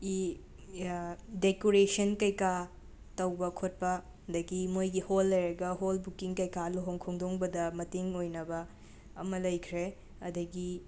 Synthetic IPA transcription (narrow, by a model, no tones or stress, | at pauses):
i | dekoɾesɐnkɐjka | tɐwbɐkʰot̚pɐ | ɐndɐɡimojɡiholːɐjɾɐɡɐɦolbukiŋkɐjkaloɦoŋkʰoŋdoŋbɐdɐmɐtiŋojnɐbɐ | ɐmɐlɐjkʰɾe | ɐdɐɡi